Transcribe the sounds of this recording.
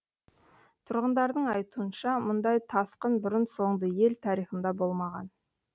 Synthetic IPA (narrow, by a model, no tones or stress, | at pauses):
t̪ʰʊɾʁənd̪ɑɾd̪əɴɑjt̪uənʃɑmʊnd̪ɑjt̪ʰɑsqənbʏɾənso̞ɴd̪əje̞lt̪ʰɑɾijχənd̪ɑbo̞lˠmɑʁɑ̰n